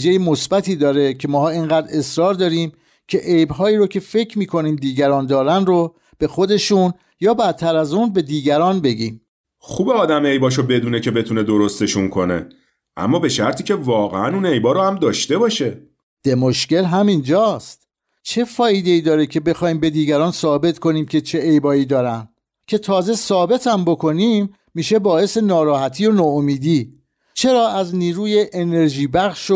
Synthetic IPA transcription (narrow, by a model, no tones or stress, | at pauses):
d͡ʒejemo̞sbæt̪ʰiːd̪ɒːɾe̞cʰe̞mɒːɦɒːiŋɢæːd̪ɾe̞sɾɒːɾd̪ɒːɾiːm | cʰe̞ʔejbɦɒːiːɾocʰe̞fe̞cʰɾmiːkʰo̞niːmd̪iːɟæɾɒːnd̪ɒːɾænro | b̥e̞xo̞d̪e̞ʃuːn | jɒːbæt̪ʰːæɾæzuːnbe̞d̪iːɟæɾɒːnbe̞ɟiːm | xuːbeɒːd̪æme̞jbɒːʃ̬obe̞d̪uːne̞cʰe̞be̞t̪ʰune̞d̪o̞ɾo̞st̪e̞ʃuŋkʰo̞ne̞̰ | ʔæ̰mːɒːbe̞ʃæɾt̪ʰiːce̞vɒːɣḛænune̞jbɒːɾohæmd̪ɒːʃt̪e̞bɒːʃe̞ | d̪̥e̞moʃce̞lɦæmind͡ʒɒːst̪ | t͡ʃʰe̞fɒːjid̪e̞iːd̪ɒːɾecʰe̞be̞xɒːjiːmbe̞d̪iːɟæɾɒːnsɒːbe̞t̪ʰkʰo̞niːmcʰe̞t͡ʃʰe̞ʔejbɒːiːd̪ɒːɾæn | cʰe̞t̪ʰɒːze̞sɒːbe̞t̪ʰæmbo̞kʰo̞niːmː | iːʃe̞bɒːe̞se̞nɒːɾɒːhæt̪ʰiːjonɒːomiːd̪iː | t͡ʃʰe̞ɾɒːʔæzniːɾuːjeʔene̞ɾʒiːbæɣʃo